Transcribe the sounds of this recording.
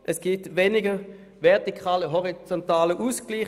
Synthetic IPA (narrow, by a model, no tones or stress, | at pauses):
ʔɛsɡ̥itvenɪɡə | vɛʁtikʰaːləɦɔʁit͡sɔntaːləʔusɡ̥liː